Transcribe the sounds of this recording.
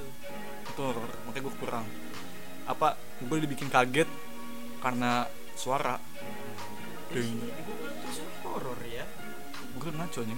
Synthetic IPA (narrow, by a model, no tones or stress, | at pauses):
it̪uɔɾɔrmakajɡuakuɾaŋ | ʔa̰pa | ɡuadibikɪnkaɡɛt̪̚ | karna | suaɾa | dəŋ | ɡait̪us | kɔɾɔrja | buʊmat͡ʃɔɲɛ